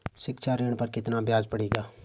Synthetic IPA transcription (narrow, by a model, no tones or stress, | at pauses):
ʃɪkʃʰaːɾeːɽ̃pəɾkɪt̪nabjaːzpəɽeːɡaː